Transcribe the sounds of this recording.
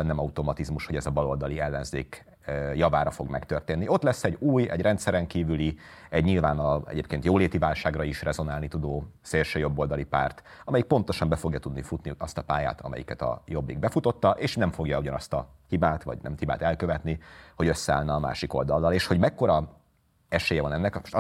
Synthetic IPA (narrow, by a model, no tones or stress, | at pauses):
nɛmɒut̪o̞mɒt̪izmuʃho̞ɟɛzɒbɒlo̞ld̪ɒliɛlːɛnzeːk | jɒvaːɾɒfo̞ɡmɛkt̪ørt̪eːnːio̞t̪lɛsːɛɟuːjɛ̰ɟrɛnt̪sɛɾɛŋkiːvyliɛɟɲilvaːnɒɛ̰ɟeːpkeːnt̪joːleːt̪ivaːlʃaːɡrɒiʃrʔɛzo̞naːlnit̪ud̪oːseːlʃøːjo̞bːo̞ld̪ɒlipa̰ːrt̪ɒmɛjik̚po̞nt̪o̞ʃɒmbɛfo̞ɡjɒt̪ud̪nifut̪niɒst̪ɒpa̰ːja̰ːt̪ʰɒ̰mɛ̰jḭkɛt̪ɒ̰jobːḭɡ̚bɛfut̪o̞t̪ːɒʔeːʃnɛɱfo̞ɡjɒuɟɒnɒst̪ɒ | hibaːt̪vɒ̰ɟnɛ̰mhiba̰ːt̪ɛlkøvɛt̪niho̞ɟø̞sːɛa̰ːlnɛːma̰ːʃiko̞̰ld̪ɒlːɒleːʃho̞ɟmɛkːo̞ɾɒ | ɛʃeːjɛvɒnɛnːɛko